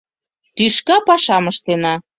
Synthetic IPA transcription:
t̪yʃkɑpɑʃɑməʃt̪enɑ

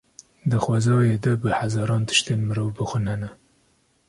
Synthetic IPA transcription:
d̪ɨxwɑːzɑːjed̪ɐbɨhazɑːɾɑːnt̪ʰɨ̥ʃt̪enmɨɾoːvbɨxʷɨnhɛnɛ

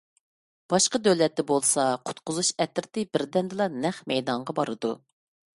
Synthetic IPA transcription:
b̥ɑʃqɑd̪øwlɛt̪ːɛbolˠsɑqʰʊ̥t̪qʊzuʃɛt̪ɪɾt̪ɪbɪɾd̪ɛnd̪ɨlˠɑnɛχmɛjd̪ɑɴʁɑbɑɾɨd̪u

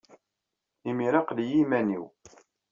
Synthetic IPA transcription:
imiɾɑqlijimæniw

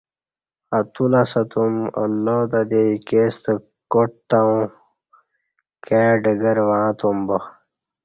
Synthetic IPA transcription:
ɐt̪ulasɐt̪umɐ̰lːot̪ɐd̪eikest̪ə | koʈ̚t̪aũ | keːɖɐɡɐɾʋãːt̪umbɐ

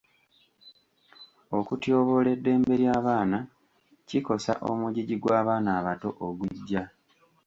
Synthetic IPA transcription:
o̞kutjoːβo̞ːle̞dːe̞ːmbe̞ɾjaːβaːna | ciko̞sa̰ʔo̞̰muɟiɟiɡwaːβaːnaːβato̞ʔoɡuɟːa

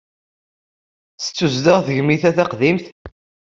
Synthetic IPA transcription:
θə̥t͡sːuzd̪əʁθəʝmiθæθæqðimθ

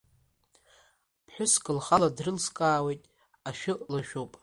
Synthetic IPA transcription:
pʰħʷᶣʊskʼɨlχaladrɨlskʼaːwe̞jtʼ | aʃᶣʊlaʃᶣowpʼ

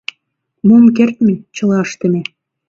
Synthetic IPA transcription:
momk̬ert̪met͡ɕə̆lɑəʃt̪ə̆mʲĕ

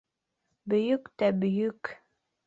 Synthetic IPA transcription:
bɵ̆jɵkt̪æbɵ̆jɵk

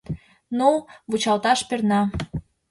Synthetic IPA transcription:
nuβut͡ɕɑlt̪ɑʃpernɑ

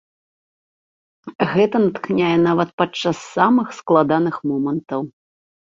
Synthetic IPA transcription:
ɣɛt̪ɐnɐt̪knʲajɛn̪avɐt̪̚pat͡ʂːasːamɨxsklˠad̪anɨxmɔmɐnt̪ɐw

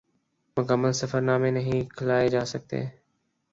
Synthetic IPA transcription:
məkəmənsəfəɾnaːmeːnəɦĩːkʰəlaːed͡ʒaːsəɡ̚t̪ḛː

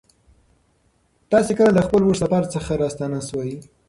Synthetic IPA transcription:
t̪ɑsekəlaləxpəlwoʂlapɑɾat͡səxaɾɑst̪ɑnaswɑji

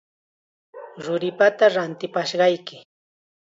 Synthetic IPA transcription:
ɾʊɾɪpat̪aɾant̪ɪpaʃɢɑjkɪ

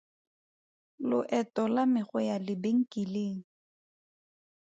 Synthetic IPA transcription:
lʊʔɛtʼɔlamɪχʊjalɪbeŋ̩kʼileːŋ̩

